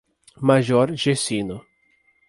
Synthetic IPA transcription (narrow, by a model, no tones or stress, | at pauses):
maʒɔɾʒesĩnʊ